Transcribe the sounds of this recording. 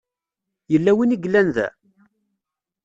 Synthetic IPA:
jəlːæwiniɡlːænðæ̰

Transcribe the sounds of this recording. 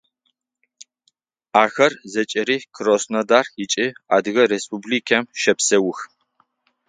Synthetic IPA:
aːxɐrzɐt͡ʃʼɐɾiːkʰɨrosnɐdaːrjɪt͡ʃʼiaːdɨɣɐrespubliːkʰɐmʃɐpsɐwʊx

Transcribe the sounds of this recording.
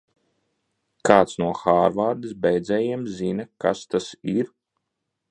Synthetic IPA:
kaːt̪snuɔxaːɾvaːɾd̪isbɛjd̪zɛjiɛmzinɐkast̪asiɾ

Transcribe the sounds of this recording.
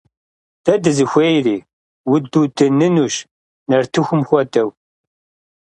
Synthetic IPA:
d̥ɐdɨzɨxʷejɾiː | wʊd̪udɨnːɨnuʃ | nɐrt̪ʰɨxʷʊmxʷɐdɐw

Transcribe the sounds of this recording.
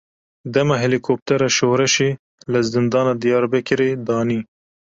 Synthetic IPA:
d̪ɐmaɦelikʰop̚t̪ɛɾɑʃohɾɛʃe | ləzɪnd̪ɑːnɑd̪ijɑːɾbɛkɪɾed̪ɑːniː

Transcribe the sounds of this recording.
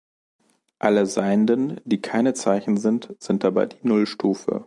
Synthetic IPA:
ʔaləzaɪəndənd̥iːkʰaɪnət͡saɪçn̩zɪntz̥ɪnt̚d̥aba̰ɪdiːnʊlʃtʰuːfə̰

